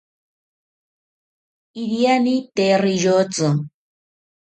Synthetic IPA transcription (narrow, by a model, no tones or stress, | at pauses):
iɾianit̪erijot͡so